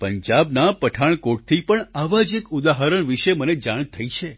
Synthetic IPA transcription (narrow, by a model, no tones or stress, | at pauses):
pəɲd͡ʒabnapəʈʰaɳ̃koʈ̚t̪ʰipəɳaʋad͡ʒekud̪aɦaɾəɳʋiʃeməned͡ʒaɳ̃t̪ʰəit͡ʃʰe